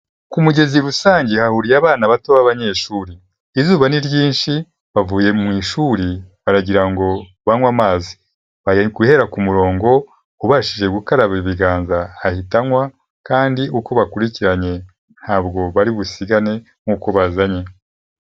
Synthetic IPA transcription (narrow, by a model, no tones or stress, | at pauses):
kumuɟe̞ziɾusaːɲɟehahuɾijaβaːnaβatoβaβaɲe̞ʃuːɾiː | zuːβaniɾɟiːnʃi | βavuːje̞mŋiːʃuːɾiβaɾaɟiɾaŋɡo̞ | βaŋwamaːzi | aɡuhe̞ɾakumuɾo̞ːŋɡo̞ | uβaʃiʒe̞ɡukaɾaβiβiɡaːnzaːhitaŋwa | kaːndiʔuko̞βakuɾiciɾaɲe̞ | n̥haːbɡo̞βaɾiβusiɡane̞ | ŋ̥ŋuːkoβazaɲe̞